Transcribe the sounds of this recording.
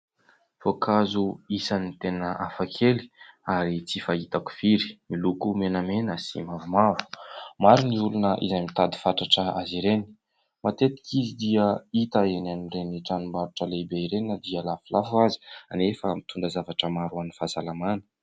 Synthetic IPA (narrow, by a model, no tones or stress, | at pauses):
fokʰazuisanit̪enəʔafakʰeli̥aɾit͡sifait̪aku̥v̥iɾi̥milukumenamenəsḭmavumavu̥maɾiniulunəʔḭzajmit̪ad̪i̥faʈ͡ʂaʈ͡ʂəa̰ziɾeni̥ | mat̪et̪i̥kizid̪iəit̪aenanireniʈ͡ʂanumbaɾuʈ͡ʂəlebeiɾenəd̪iəlafulafuazi̥anefəmit̪ʰuɳdəzavaʈ͡ʂəmaɾuanifazalamanə̥